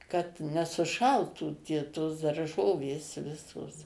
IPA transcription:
kɐt nʲɛsʊˈʃɐlˠtuː tʲiɛ toːs dɐrˈʒoːʋʲeːs ˈʋʲɪsoːs

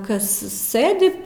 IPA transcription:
ˈkɐs ˈsɘdʲɪ

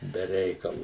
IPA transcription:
bʲɛ ˈrʲɛɪkɐlˠʊ

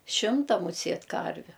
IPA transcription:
ˈʃʲɪmtɐ mʊˈsʲeːt ˈkɐrʲʋʲʊ

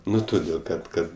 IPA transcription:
ˈnʊ toːˈdʲeːlˠ kɐt ˈkɐt

